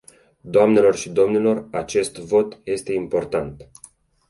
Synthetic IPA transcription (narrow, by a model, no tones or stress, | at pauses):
d̪oamne̞lo̞rʃid̪o̞mnilo̞rat͡ʃe̞st̪vo̞t̪je̞st̪e̞impo̞rt̪ant̪